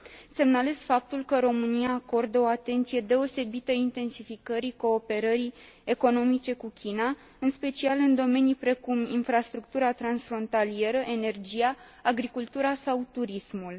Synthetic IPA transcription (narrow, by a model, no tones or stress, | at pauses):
se̞mnale̞zfap̚t̪ulkəɾo̞mɨniaːko̞rd̪əo̞at̪e̞nt̪sije̞d̪e̞o̞se̞bit̪əint̪e̞nsifikəɾiko̞ːpe̞ɾəɾi | e̞ko̞no̞mit͡ʃe̞kukʲʰina | ɨnspe̞t͡ʃialɨnd̪o̞me̞nijpɾe̞kuminfɾast̪ɾuk̚t̪uɾat̪ɾansfɾo̞nt̪alie̞ɾəʔe̞ne̞rd͡ʒijaː | ɡɾikult̪uɾasawt̪uɾismul